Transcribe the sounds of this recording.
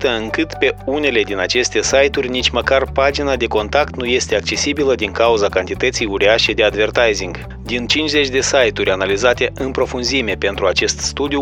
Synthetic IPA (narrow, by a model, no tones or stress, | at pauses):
t̪əɨŋkɨt̪pe̞une̞le̞d̪inat͡ʃe̞st̪e̞sajt̪urʲnit͡ʃʲməkarpad͡ʒinad̪e̞ko̞nt̪akt̪nuje̞st̪e̞ak̚t͡ʃe̞sibiləd̪iŋkauzakant̪it̪ət̪sijuɾiaʃe̞d̪e̞ad̪ve̞rt̪ajziŋɡ | d̪int͡ʃint͡ʃʲze̞t͡ʃʲd̪e̞sajt̪urʲanalizat̪e̞ɨmpɾo̞funzime̞pe̞nt̪ɾuat͡ʃe̞st̪st̪ud̪iu